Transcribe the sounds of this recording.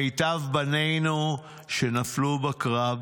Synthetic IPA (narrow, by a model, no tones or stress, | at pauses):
ejtavbane̞jnu | ʃenaflubakʁav